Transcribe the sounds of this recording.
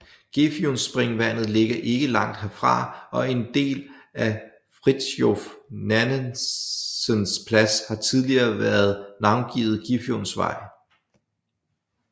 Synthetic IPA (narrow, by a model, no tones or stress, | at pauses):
ɡ̥efjonsb̥ʁeŋʋæn̰ð̞̩ˠle̝ɡ̥ɐʔe̝ɡ̥əlɑ̈ŋ̰d̥ɦeɐfʁɑ̈ɒ̽e̝nd̥e̝̰ːlæ | fʁid̥sjofnæn | sənspʰlæshɑ̈t͡sʰið̞ˠliɐːʋæɐð̞̩ˠnɑ̈ʊnɡ̥iːð̩ˠɡ̥ifjonsʋɑ̰̈ɪ̰